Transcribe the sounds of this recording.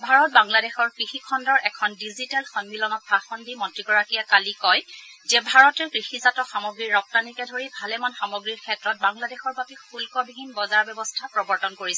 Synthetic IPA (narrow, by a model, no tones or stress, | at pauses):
bʱaɹɔt̚baŋladɛxɔɹkɹixikʰɔndɔɹʔɛkʰɔndizitɛlxɔnmilɔnɔt̚paxɔndimɔntɹiɡɔɹakijakalikɔjzɛbʱaɹɔtɛkɹixizatɔxamɔɡɹiɹːɔk̚tanikɛdʱoɹibʱalɛmanxamɔɡɹiɹkʰɛtɹɔt̚baŋladɛxɔɹbapixulkɔbibʱinbɔzaɹbɛbɔstʰapɹɔbɔɹtɔnkoɹisɛ